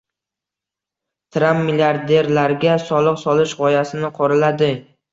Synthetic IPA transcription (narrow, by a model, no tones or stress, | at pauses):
t̪ʰɾamːilʲiaɾd̪e̞ɾlaɾɡʲasɒlˠɨqsɒlɪʃʁɒjasɪnɪqʰɒɾalad̪ɪ